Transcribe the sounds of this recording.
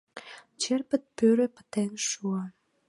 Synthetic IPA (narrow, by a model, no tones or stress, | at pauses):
t͡ɕerpət̪̚pøɾepə̥t̪ɛnʃua